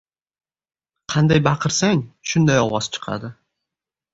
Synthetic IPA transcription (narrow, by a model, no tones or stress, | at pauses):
qʰɑnd̪ajbɑqʰɨɾsaŋʃʊnd̪ajɒwɑzt͡ʃʰɨ̥qʰɑ̰d̪ɪ